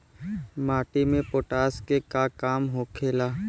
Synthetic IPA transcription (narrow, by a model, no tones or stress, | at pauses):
maːʈimẽpoːʈaːskekakaːmɦokʰeːlaː